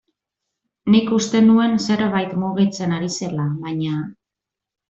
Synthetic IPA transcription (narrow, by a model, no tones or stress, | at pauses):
nikust̪e̞nue̞nse̞ɾβajt̪muɣit͡se̞naɾise̞laβaɲa